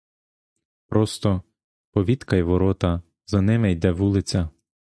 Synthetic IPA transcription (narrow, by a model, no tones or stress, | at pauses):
pɾɔst̪ɔ | pɔʋʲit̪kɐjʋɔɾɔt̪ɐ | zɐnɪmɛjd̪ɛʋulˠɪt͡sʲɐ